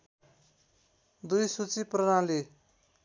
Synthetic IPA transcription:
d̪ujsut͡siprʌnãle

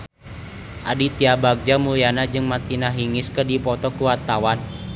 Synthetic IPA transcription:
ʔa̰dit̪iabaɡ̚d͡ʒamulianad͡ʒɨŋmat̪inaɦiŋɪskədipɔt̪ɔkuwart̪awan

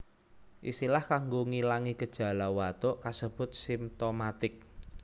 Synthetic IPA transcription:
ʔḭsilahkaŋɡoŋilaŋikəd̥ʒ̥ä̤lawat̪oʔkasəb̥ʊ̤t̪̚simt̪omat̪ɪk̚

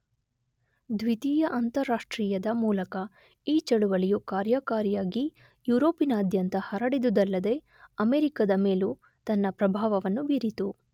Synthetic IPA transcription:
d̪ʋit̪iːjɐʔɐnt̪ɐɾːaːʂʈɾiːjɐd̪ɐmuːlɐkɐ | iːt͡ʃɐɽuʋɐlijukaːɾjakaːɾjaːɡi | juːɾo̞ːpinɐːd̪ʱjɐnt̪ɐhɐɾɐɽid̪ud̪ɐlːɐd̪e̞ | ɐmeːɾikɐd̪ɐme̞ːlu | t̪ɐnːɐpɾɐbʱaːʋɐʋɐnːubiɾit̪u

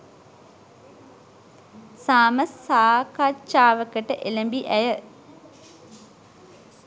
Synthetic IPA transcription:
saːməsːaːkat͡ʃaːʋəkəʈəʔeləmbiʔæjə

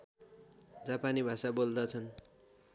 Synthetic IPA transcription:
d͡zapanibʱasabold̪ʌt͡sʰʌn

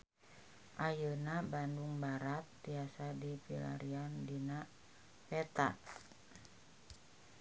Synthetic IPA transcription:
ʔajənabanduŋbaɾat̪̚biasadifila̰ɾiandina | pɛt̪a̰

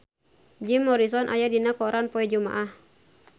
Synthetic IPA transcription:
d͡ʒimːɔɾisɔnʔa̰jadinakɔɾanpɔɛd͡ʒuma̰ʔah

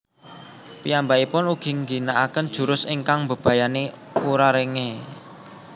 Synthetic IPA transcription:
pijambaipʊnuɡ̥i̤ŋɡinaʔakənd̥ʒ̥ṳɾʊsiŋkaŋmbə̤b̥ä̤jane | uɾaɾeŋe

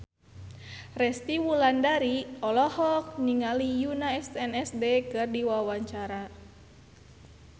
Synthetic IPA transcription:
rɛst̪iwulandaɾiɔlɔhɔk̚niŋalijunaɛst̪ɛnɛsdekɨrdiwawaɲt͡ʃaɾa

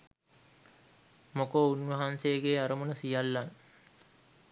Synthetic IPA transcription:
mokounʋɐɦansejəɡeːaɾəmənəsijalːan

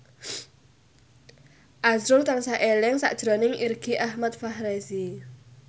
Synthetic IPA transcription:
ʔazɾʊlt̪ansaʔelɛŋsa̰ʔd̥ʒ̥ɾɔnɪŋirɡ̥iʔahmat̪̚fahɾesi

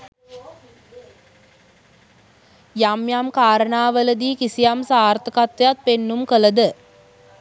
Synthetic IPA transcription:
jamjamkaːɾənaːʋələd̪iːkisijamsaːɾt̪əkat̪ʋejat̪̚penːumkələd̪ə

